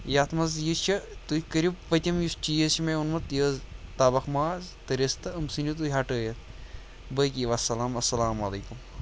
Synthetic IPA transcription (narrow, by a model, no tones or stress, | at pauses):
jaːt̪ʰmɐzjit͡ʃʰɐt̪uikɐɾibpɐt̪ʲɐmjust͡ʃijət͡ʃimeunmɐt̪jəːzt̪aːbɐxmaːzt̪ɐɾest̪ɐɐmsɨnut̪̬uɦaʈəːjɐt̪ | bəkiʋɐsɐlaːmɐsɐlaːmɐlɐːkum